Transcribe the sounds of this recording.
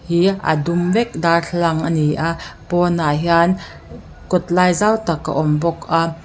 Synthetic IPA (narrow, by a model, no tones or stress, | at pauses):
hiʔa̰dumvɛk̚daːɬʰlɐŋʔaniʔapɔnaɦjan | kɔt̪̚laːjzawt̪akːa̰ʔɔmbɔkʔa